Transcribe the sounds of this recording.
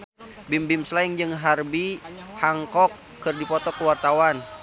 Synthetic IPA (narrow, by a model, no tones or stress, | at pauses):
bimbimslaiŋd͡ʒɨŋɦarbihaŋkɔkːɨrdipɔt̪ɔkəwart̪awan